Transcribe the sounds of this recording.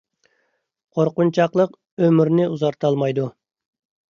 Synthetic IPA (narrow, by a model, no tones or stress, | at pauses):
qʰoɾqʊnt͡ʃʰɑqlˠəq | ømyɾnɪuzɑɾt̪ʰɑlˠmɑjd̪u